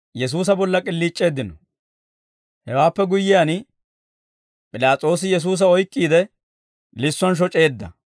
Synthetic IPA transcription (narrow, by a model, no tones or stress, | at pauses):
jɛs̬uːs̬ɐbɔlːɐkʼɪlːiːt͡ʃʼːe̞ːd̪ːɪnɔ̰ | hɛwaːpːɛɡʊjːɪjan | pʼɪlaːt͡sʼoːs̬ɪjɛs̬uːs̬ɐɔjkʼːiːd̪ɛ | lɪsːwɐnʃ̬ɔt͡ʃʼe̞ːd̪ːɐ̰